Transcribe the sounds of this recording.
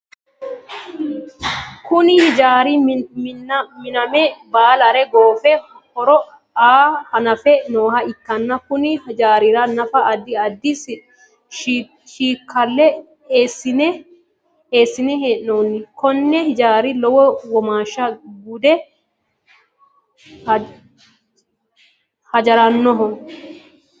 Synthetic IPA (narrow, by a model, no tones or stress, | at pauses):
kʊnɪhɪd͡ʒaːɾi | mɪnɐmɛbaːlɐɾɛɡoːfɛ | hɔɾɔ | aːhɐnɐfɛnoːhɐɪkːɐnːɐkʊnɪhd͡ʒaːɾɪɾɐnɐfɐɐd̪ːɪɐd̪ːɪs | ʃiːkʰːɐlːɛ | eːsːɪnɛ | eːsːɪnɛɦeːʔːoːnːɪkɔnːɛhɪd͡ʒaːɾɪlɔwɔwɔmaːʃːɐɡud̪ɛ | h | hɐd͡ʒɐɾɐnːɔɦɔ